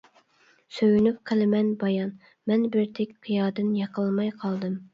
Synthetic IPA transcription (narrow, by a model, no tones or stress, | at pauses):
søjynyp̚qʰəlˠɪmɛnbɑjɑn | mɛnbɪɾt̪ʰɛkʲqʰijɑːd̪ɨnjɑqəlˠmɑjqʰɑlˠd̪ɨm